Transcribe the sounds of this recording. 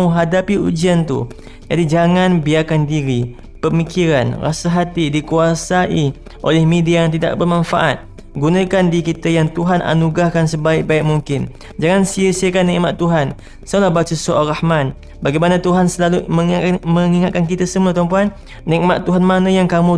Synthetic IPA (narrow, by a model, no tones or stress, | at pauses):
ũɦadapiṵd͡ʒiant̪ṵ | d͡ʒadid͡ʒaŋanbiakandiɾi | pəmikiɾanra̰saɦat̪idikuasaʔi | ʔo̰lɛhmẽdiajaŋt̪̬ida̰ʔbərmãnfaʔat̪̚ | ɡunãkandikit̪ajaŋt̪uɦana̰nuɡɾahkansəbaɪk̚baɪk̚muŋkɪn | d͡ʒaŋansiəsiəkanːiʔmaʔt̪ːuɦan | salahbat͡ʃusoalrahman | baɡajmanat̪uɦansəlaluməŋiaməŋiŋat̪̚kankit̪asəmuat̪ɔmpuanː | ik̚mat̪ːuɦanmanajaŋkamũ